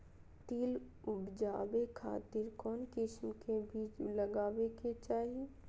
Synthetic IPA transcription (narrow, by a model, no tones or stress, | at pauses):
t̪iːl | ʊbd͡ʒaːbekʰa̰ːt̪ɪɾkɔːnkɪʃmkebʱiːt͡ʃləɡaːweket͡ʃaːɦie